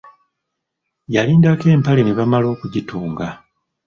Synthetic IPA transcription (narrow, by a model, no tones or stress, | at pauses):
jaliːndake̞ːmpale̞neβamalo̞ːkuɟituːŋɡa